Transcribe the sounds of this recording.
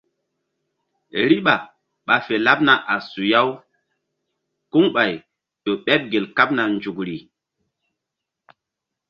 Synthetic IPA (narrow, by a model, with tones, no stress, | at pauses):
ɾi˦ɓa˨ | ɓa˨fe˨la˦p̚na˨ʔa˨su˨ja˦w | ku˦ŋɓa˨j | to˨ɓɛ˦p̚ɡe˨lka˦p̚na˨nd͡ʒu˨kɾi˨